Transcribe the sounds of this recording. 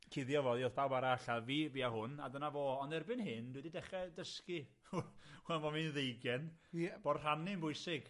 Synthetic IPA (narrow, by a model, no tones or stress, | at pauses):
kʰɪðjɔvɔːðjɔθdawbaɾaaɬaviːviahʊnadənavoɔndɛrbɨnhɨndwɛdidɛχɛdəskɪ | wɛlmɔminðejɡɛnb̥ɔdr̥amnɪnbʊɨsɪɡ